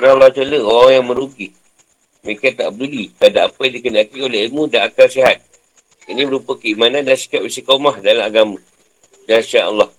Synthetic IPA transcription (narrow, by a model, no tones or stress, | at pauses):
nalːat͡ʃoləoɣaŋjaŋmə̃ɾuɡi | makat̪a̰ʔbədulik̪adaʔapadikənakioleɦilmũdaakasiɦat̪̚ | inĩbəɾupəkəimanan̚dansi̥kap̚isəkaumahdalamaɡamã | daʃiaʔə̰lːɑh